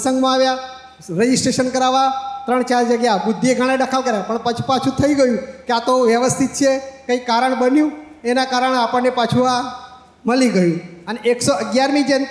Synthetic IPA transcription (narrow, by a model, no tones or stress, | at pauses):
sə̃ŋɡmãaʋja | ɾed͡ʒisʈeʃənkəɾaʋat̪ɾəɳt͡ʃaɾd͡ʒəɡjabʊd̪ʱːieɡʱaɽ̃ed̪akʰəlkəɾjapəɳpat͡ʃʰu̥pat͡ʃʰũt̪ʰəiɡəjũkeat̪oʋjəʋəst̪ʰit̪̚t͡ʃʰekəikːaɾəɳbənjũ | enakaɾəɳapəɳːepat͡ʃʰua | məliɡəjũəneʔeksoəɡjaɾmid͡ʒən